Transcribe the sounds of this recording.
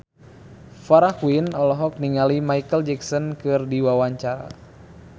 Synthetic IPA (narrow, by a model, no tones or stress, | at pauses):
faɾakwinɔlɔɦɔk̚niŋalimaikəld͡ʒɛksɔnkɨrdiwawaɲt͡ʃaɾa̰